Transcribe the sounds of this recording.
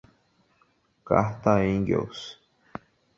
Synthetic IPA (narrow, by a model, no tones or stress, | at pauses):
ka̰ht̪aiŋɡḛws